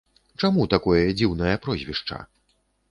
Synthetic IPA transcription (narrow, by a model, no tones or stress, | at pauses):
t͡ʂamut̪akɔjɐd͡zʲiwnɐjɐpɾɔzʲvʲiʂt͡ʂɐ̰